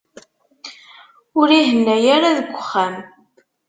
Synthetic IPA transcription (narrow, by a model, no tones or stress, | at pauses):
ʊɾiɦənːæjæɾaðəɡʷəχːæm